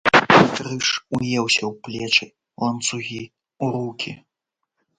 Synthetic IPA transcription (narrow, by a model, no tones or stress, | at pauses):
t̪ɾɨʂujɛwsʲɐwplʲɛt͡ʂɨj | lˠɐnt̪suɣʲi | wɾukʲʰḭ